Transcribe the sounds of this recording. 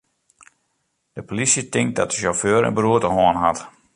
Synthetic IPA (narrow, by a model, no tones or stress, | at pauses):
d̥əpolisjətɪŋk̚dɔtdəʃoføːɾə̰nbəruətəhɔənɦat